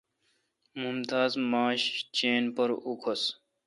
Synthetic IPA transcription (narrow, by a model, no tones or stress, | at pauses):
mumt̪aːzmaːɕt͡ɕeːnpɐɾukʰos